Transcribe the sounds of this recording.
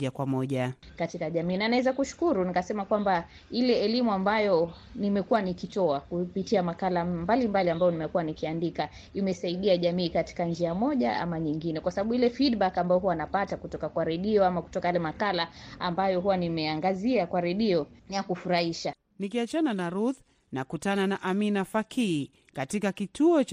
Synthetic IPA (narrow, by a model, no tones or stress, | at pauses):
akwamɔʄakatikaʄamiːnanaɛzakuʃu̥kuɾunikasɛmakwamba | ilɛɛlimuambajɔ | nimɛkuwanikitɔakupitiamakalambalimbaliambajɔnimɛkuwanikiandika | imɛsaiɗiaʄamiːkati̥kand͡ʒiamɔʄa̰a̰maɲiŋɡinɛkwasaɓaɓuilɛfidɓakambajɔɦuwanapatakutɔkakwaɾɛɗiɔamaku̥tɔkajalɛmakalaambajɔɦuwanimɛaŋɡaziakwaɾɛɗiɔjakufuɾaiʃa | nikiat͡ʃananaɾuð | nakutananaʔaminafakʰiː | katikakitʰuɔ